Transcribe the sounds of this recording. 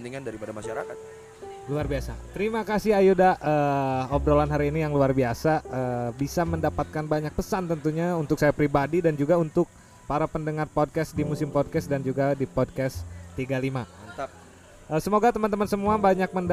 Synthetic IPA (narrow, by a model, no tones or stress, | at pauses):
nt̪iŋandaɾipadamaʃaɾa̰kat̪̚ | luarbiasat̪əɾimakasɪɦajudaʔəːɔbɾolanɦaɾiːnijaŋluarbiasaʔəːbisaməndapat̪̚kanbaɲak̚pəsant̪ənt̪uɲaunt̪ʊk̚sajapɾibadidand͡ʒuɡaunt̪ʊk̚ | paɾapəndəŋarpod̚kɛsdimusɪmpɔd̚kɛsdand͡ʒuɡadipɔd̚kɛst̪iɡalima | əsəmoɡat̪əmant̪əmansəmuabaɲak̚mənd